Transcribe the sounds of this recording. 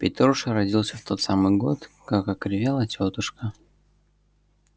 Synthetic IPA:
pʲɪt̪ɾoʂəɾɐdʲilˠsʲəft̪o̞t̪samɨjɡo̞̰t̪kakɐkɾʲɪvʲelˠətʲot̪ʊʂkə

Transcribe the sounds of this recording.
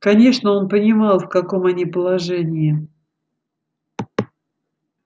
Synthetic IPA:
kɐnʲe̞ʂnəo̞npənʲɪmɑlˠfkɐko̞mɐnʲipəlˠɐʐɛnʲɪɪ

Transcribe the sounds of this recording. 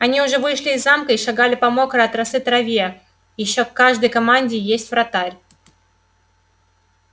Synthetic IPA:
ɐnʲiʊʐɛvɨʂlʲɪːzːamkəiʂaɡalʲɪpɐmo̞kɾəɐt̪ɾɐsɨt̪ɾɐvʲiə | jɪɕːokkːaʐd̪əjkɐmanʲdʲɪjesʲtʲfɾɐt̪aɾʲ

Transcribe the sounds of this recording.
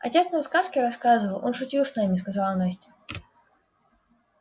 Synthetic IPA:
ɐ̰tʲe̞t̪snəvskaskʲɪɾɐskazɨvəlˠʔo̞nʂʊtʲilˠsnamʲɪskɐzalˠnasʲtʲɪ̥

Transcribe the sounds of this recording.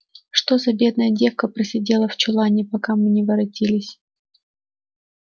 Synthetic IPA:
ʂt̪o̞zɐbʲe̞d̪nəjədʲe̞fkəpɾəsʲɪdʲe̞lˠəft͡ɕʊlˠanʲɪpɐkamɨnʲɪvɐɾɐtʲilʲɪsʲ

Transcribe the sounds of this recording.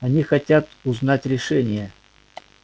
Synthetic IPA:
ɐnʲixɐtʲat̪ʊznatʲɾʲɪʂɛnʲɪjə

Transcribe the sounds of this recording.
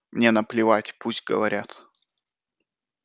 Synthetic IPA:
mnʲe̞nəplʲɪvatʲpusʲtʲɡə̰vɐɾʲat̪

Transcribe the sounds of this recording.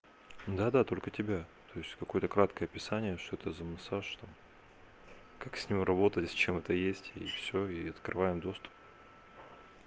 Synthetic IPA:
d̪ad̪at̪o̞lʲkətʲɪbʲat̪o̞jɪsʲtʲkɐko̞jət̪əkɾat̪kəjəɐpʲɪsanʲɪjəʂt̪oɛt̪əzəmɐsaʂt̪am | kaksʲnʲimrɐbo̞t̪əst͡ɕemɛt̪əjesʲtʲifsʲoiɐt̪kɾʔɨvajɪmd̪o̞st̪ʊ̥p̚

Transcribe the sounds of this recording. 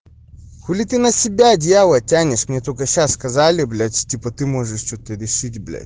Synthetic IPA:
kolʲit̪ɨnɐsʲɪbʲadʲjalˠɐtʲanʲɪʂmnʲet̪okəɕasːkɐzalʲɪblʲat͡ɕtʲipət̪ɨmoʐɨʂt͡ɕot̪əɾʲɪʂɨtʲblʲa̰

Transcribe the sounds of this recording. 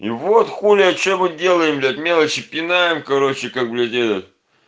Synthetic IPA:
ivot̪xulʲɪɐt͡ɕomɨdʲe̞lˠəjɪmlʲet̪mʲe̞lˠət͡ɕɪpʲɪnajɪmkɐɾo̞t͡ɕɪkak̚blʲɛt̪ʲed̪ʲət̪ʲ

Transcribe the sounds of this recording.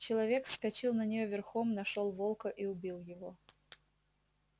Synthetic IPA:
t͡ɕɪlˠɐvʲekfskɐt͡ɕilˠnənʲɪjovʲɪrxomnɐʂolˠvolˠkəʔiʊbʲilˠjɪvo

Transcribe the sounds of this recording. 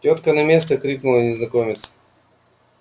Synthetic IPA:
tʲɔt̪kənɐmʲest̪əkɾʲiknʊlˠənʲɪznɐkomʲɪt̪s

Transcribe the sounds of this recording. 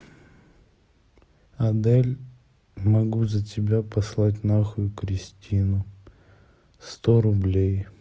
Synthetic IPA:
ɐd̪ɛlʲ | mɐɡuzətʲɪbʲapʰɐslˠat̬ʲnaxʊjʊkɾʲɪsʲtʲinʊ | st̪oɾʊblʲej

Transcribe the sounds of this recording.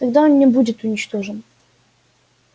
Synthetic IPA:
t̪ɐɡd̪aonnʲɪbudʲɪt̪ʊnʲɪt͡ɕt̪oʐɨn

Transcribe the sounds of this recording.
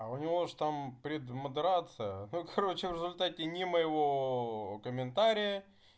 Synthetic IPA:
ɐʊnʲɪvoʐt̪ampɾʲɪd̪məd̪ɨɾat̪sɨjənukɐɾo̞t͡ɕɪvɾʲɪzʊlʲt̪atʲɪnʲɪməjɪvokəmʲɪnt̪aɾʲɪjə

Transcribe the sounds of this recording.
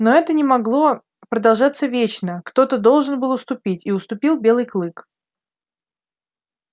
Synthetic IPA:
noɛt̪ənʲɪmɐɡlˠo̞ | pɾəd̪ɐlˠʐat̪sːəvʲet͡ɕnəkt̪o̞t̪əd̪o̞lˠʐɨnbɨlˠʊst̪ʊpʲitʲiʊst̪ʊpʲilˠbʲe̞lˠɨjklˠɨk

